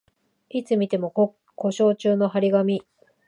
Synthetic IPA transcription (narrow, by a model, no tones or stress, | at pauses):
it͡sɨmʲit̪e̞mo̞ | kʰo̞ɕo̞ːt͡ɕɨːno̞ɦaɾʲiɡamʲi